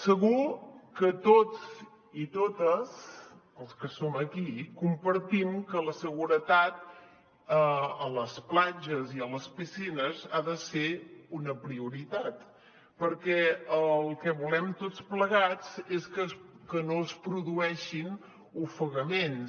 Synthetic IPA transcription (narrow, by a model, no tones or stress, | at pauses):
səɣukət̪od͡z | it̪ot̪əz | əlˠskəsoməkikumpəɾt̪imkələsəɣ̞uɾət̪at̪ | əələsplad͡ʒəziələspisinəzaðəseunəpɾiuɾit̪at̪ | pəɾkɛəlˠkɛβulɛmt̪ot͡spləɣ̞ad͡zeskəkənoəspɾuðuɛʃin | ufəɣəmen